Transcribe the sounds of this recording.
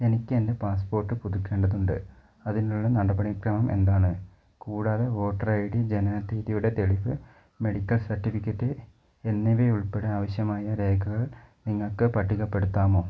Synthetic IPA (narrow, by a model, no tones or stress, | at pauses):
e̞nikʲːɨende̞paːspo̞ːrʈːɨpuðukʲːe̞ːɳɖɐðuɳɖɨ̰ | ɐðinuɭːɐnɐɽɐbɐɽikrɐmɐmʔe̞̰nd̪aːɳɨ | kuːɽaːðe̞ʋo̞ːʈːɐrɐjɽid͡ʑe̞nɐat̪ːiːðijuɽe̞t̪e̞ɭiʋɨ | me̞ɽikʲːɐlsɐrʈːifikʲːɐtːɨ | e̞nːiʋeuɭpe̞ɽeaːʋɐɕjɐmaːjɐɾe̞ːɡʱɐɣɐɭniŋːɐɭkɨpɐʈʰːiɣɐpːe̞ɽut̪ːaːmo̞ː